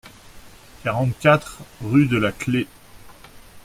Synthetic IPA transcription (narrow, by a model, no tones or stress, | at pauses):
kʲaʁɑ̃t̪kʲat̪χʁyd̪əlakle